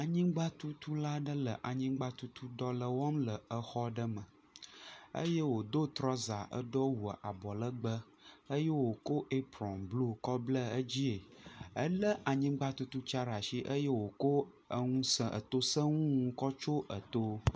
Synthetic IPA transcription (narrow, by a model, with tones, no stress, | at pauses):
a˨ɲĩ˦ɡ͡ba˦t̪u˦t̪u˦la˦ɖə˦lə˨ʔa˨ɲĩ˦ɡ͡ba˦t̪u˦t̪ʰu˦ɖɔ˦lə˨wɔ˦mlə˨ə˦xɔ˦ɖə˦mə̃˨ | ə̰˦je˦wo˨d̪o˦t̪ɾɔ˦za˨ʔə̰˦ɖo˦wu˨ʔa˨bɔ˨lə˦ɡ͡bə˦ | ə˦je˦wo˨ko˦ʔe˦pɾɔ̃˨mblu˦kɔ˦blə˦ə˦d͡ʑi˦e˨ə˦lə˦ʔa˨ɲĩ˦ɡ͡ba˦t̪u˦t̪u˦t͡ʃa˦ɾa˨ʃi˦ʔə˦je˦wo˨ko˦ | ə˦ŋũ˦sə˦ʔə̰˨t̪o˦sə˦ŋũ˦ŋũ˦kɔ˦t͡ʃo˦ʔə˨t̪o˦